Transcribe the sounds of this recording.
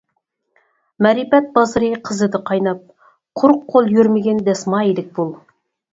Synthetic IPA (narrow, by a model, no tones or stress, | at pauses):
mæɾipæt̪̚bɑzɾijqʰəzəd̪əqʰɑjnɑp̚ | qʰʊɾqʰːolˠjɵɾmeɡʲend̪æsmɑelɪk̚bolˠ